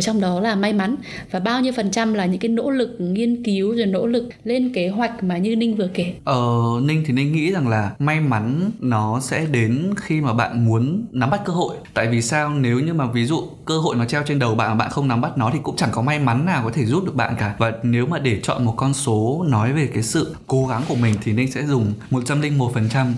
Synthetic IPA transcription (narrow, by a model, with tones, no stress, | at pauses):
t͡ɕɔ˧wŋ͡mɗɔ˨˦laː˨˩ma˧jma˨˦n | vaː˨˩ɓaː˧wɲi˧əwfə˨˩nt͡ɕa˧mlaː˨˩ɲɨ̰˧˥ŋka˨˦jno̰˧˥lɨ˨˩k̚ŋi˧ənki˨˦əwzo˨˩jno̰˧˥lɨ˨˩k̚le˧nke˨˦ɦwa˨˩jk̟̚maː˨˩ɲɨ˧nï˧ŋ̟vɨ˨˩əke˨˩ʔəː˨˩nï˧ŋ̟t̪ʰi˨˩ne˧nŋḭ˧˥za˨˩ŋlaː˨˩ma˧jma˨˦nːɔ˨˦sɛ̰˧˥ɗe˨˦nxi˧maː˨˩ɓa̰ː˧˨nmu˨˦ənːa˨˦mɓa˦˥t̚kəː˧ɦo̰˧˨jt̪a̰ː˧˨jvi˨˩saː˧wne˨˦wɲɨ˧maː˨˩vi˨˦zṵ˧˨ | kəː˧ɦo̰˧˨jnɔ˨˦t͡ɕɛ˧wt͡ɕe˧nɗə˨˩wɓa̰ː˧˨naː˨˩ɓa̰ː˧˨xə˧wŋ͡mna˨˦mɓa˦˥t̚nɔ˨˦t̪ʰi˨˩kʊ̰˧˥ŋ͡mt͡ɕa˧˩ŋkɔ˨˦ma˧jma˨˦nːaː˨˩wkɔ˨˦t̪ʰe˧˩zu˦˥t̚ɗɨ˨˩əkɓa̰ː˧˨nkaː˧˩vaː˨˩ne˨˦wmaː˨˩ɗe˧˩t͡ɕɔ̰˧˨nmo˨˩t̚kɔ˧nso˨˦nɔ˨˦jve˨˩kaː˨˦jsɨ̰˧˨ko˨˦ɣa˨˦ŋku˧˩əmï˨˩ŋ̟t̪ʰi˨˩ne˧ŋ̟sɛ̰˧˥zʊ˨˩ŋ͡mmo˨˩t̚t͡ɕa˧mlï˧ŋ̟mo˨˩t̚fə˨˩nt͡ɕa˧m